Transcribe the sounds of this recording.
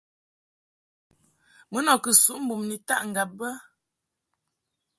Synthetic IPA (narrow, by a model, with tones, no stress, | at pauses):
mə˦nɔ˨kə˨su˦ʔm̩˦bu˨mni˨ta˦ʔŋ̩˨ɡa˨p̚ːə˦